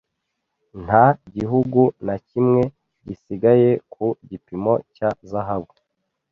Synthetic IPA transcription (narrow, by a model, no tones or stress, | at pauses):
n̥aɟiɦuɡunacimŋe̞ | ɟisiɡaje̞kuɟipimo̞cazaɦaβu